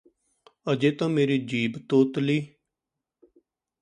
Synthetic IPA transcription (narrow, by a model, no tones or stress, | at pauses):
əd͡ʒeːt̪ãːmeːɾiːd͡ʒiːbt̪oːt̪liː